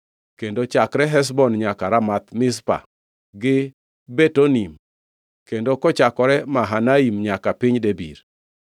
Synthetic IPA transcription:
kendot͡ʃakɾɛɦɛs̬bɔnɲakaɾamat̪mɪs̬pa̰ | ɡɪ | bɛtonim | kendokɔt͡ʃakɔɾɛmaɦanaimɲakapɪɲdebḭɾ

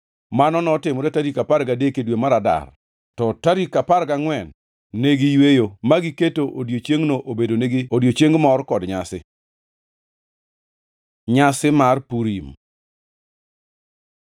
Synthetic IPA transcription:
manɔnɔtɪmɔɾɛtaɾikapaɾɡadekedwemaɾada̰r | tɔtaɾikapaɾɡaŋwɛnː | eɡijwejomaɡiketoʔodjot͡ʃeŋnoʔobedoneɡiodjot͡ʃeŋɡmɔrkɔdɲasɪ | ɲasɪmarpuɾim

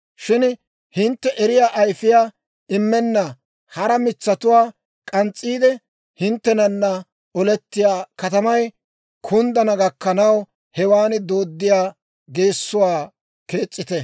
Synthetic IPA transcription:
ʃɪn | hɪnt̪ːɛʔɛɾɪjaːʔːjfɪjaː | ɪmːɛnːɐ | hɐɾɐmɪt͡sːɐt̪ʊwaː | kʼɐnt͡sʼːiːd̪ɛ | hɪnt̪ːɛnɐnːɐ | ɔlɛt̪ːɪjaːkɐt̪ɐmɐj | kʰʊnd̪ɐnɐɡɐkːɐnɐw | hɛwaːnɪd̪o̞ːd̪ːɪjaː | ɡe̞ːsːʊwaː | ke̞ːt͡sʼːɪt̪ɛ

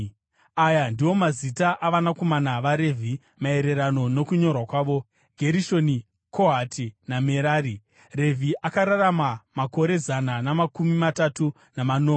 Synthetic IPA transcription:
ajandiwo̞mazitaʔaʋanako̞manaʋaɾe̞vʱi | mae̞ɾe̞ɾano̞no̞kuɲo̞rwakwaːʋo̞ | ɡʱe̞ɾiʃo̞ni | kʰo̞ɦatinameɾaːɾi | re̞vʱiʔakaɾaramamako̞ɾe̞zananamakumimatatu | namanoːme

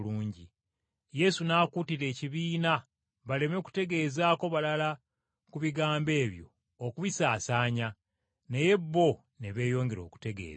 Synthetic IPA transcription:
luːɲɟi | je̞sunaːkuːtiɾe̞ːciβiːna | βale̞meku̥te̞ɡe̞ːzaːko̞βalala | kuβiɡaːmbe̞ːβjo̞̰ː | kuβisaːsaːɲa | neje̞bːo̞ | neβe̞ːjo̞ːŋɡe̞ɾo̞̰ːku̥te̞ɡḛːz

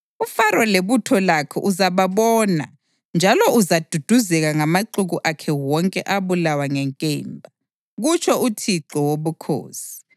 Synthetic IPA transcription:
ufaɾɔleβutʰɔlakʰɛ̰ʔuzaβaβɔːna̰ | nd͡ʒʱalɔuzad̥ʱud̥ʱuzɛɣaŋamaǃuɣuʔakʰɛwɔŋkʼɛʔaβulawaŋɛŋkʼeːmbʱa | ɣut͡ʃʰɔutʰiǁɔwoβukʰo̰ːsi̥

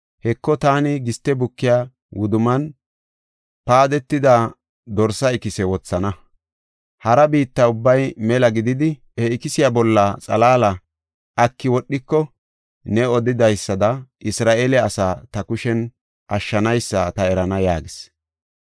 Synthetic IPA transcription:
hɛkːɔt̪aːnɪɡɪst̪ːɛbʊkːɪjaː | wʊd̪ʊmɐn | paːd̪ɛt̪ːɪd̪a | d̪ɔɾsɐɪkɪsɛwɔt͡sːɐnɐ | hɐɾɐbiːt̪ːɐʊbːɐjmɛlɐɡɪd̪ɪd̪ɪ | hɛɪkɪsɪjabɔlːɐt͡sʼɐlaːlɐ | ʔɐkːɪwɔɗːɪkːɔ | nɛɔd̪ɪd̪ɐjsːɐd̪ɐʔɪsɾaːʔelɛɐsaːt̪ɐkʊʃɛn | ʔɐʃːɐnɐjsːɐt̪ɐɛɾɐnɐjaːɡɪs

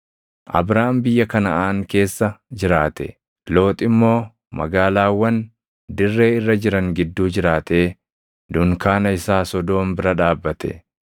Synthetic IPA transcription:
ʔɐ̰bɾaːmbɪjːɐkɐnɐʔaːŋke̞ːsːɐd͡ʒɪɾaːt̪ɛ̰ | lo̞ːt̪ʼɪmːo̞ː | mɐ̰ɡaːlaːwːɐn | d̪ɪrːe̞ːɪrːɐd͡ʒɪɾɐŋɡɪd̪ːuːd͡ʒɪɾaːt̪eː | d̪ʊŋkaːnɐɪsaːsɔd̪o̞ːmbɪɾɐᶑaːbːɐt̪ɛ̰

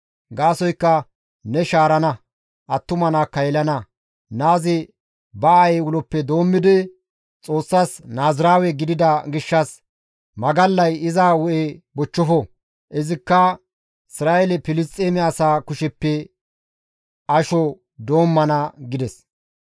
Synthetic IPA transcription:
ɡaːsɔjkːɐ | nɛʃaːɾɐnɐ | ʔɐt̪ːʊmɐnakːɐjɛlɐnɐ | naːzɪ | bɐɐɛwʊlɔpːɛd̪o̞ːmːɪd̪ɪ | t͡sʼo̞ːsːasnaːzɾaːwɛɡɪd̪ɪd̪ɐɡɪʃːɐs | mɐɡɐlːɐjɪzaːwɔʔebɔt͡ʃːɔfɔ | ʔɛzɪkːɐ | ɪsɾaːelɛpɪlɪst̪ʼːeːmɪɐsaːkʊʃɛpːɛ | ɐʃɔ | d̪o̞ːmːɐnɐɡɪd̪ɛs

